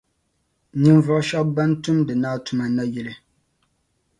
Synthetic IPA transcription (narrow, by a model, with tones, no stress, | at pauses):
ni˦m˦vɔ˦˨ʔʃɔ˦ba˦n˦tu˦mdɨ˨naː˦tu˨ma˨na˦jɛ˦lɨ˦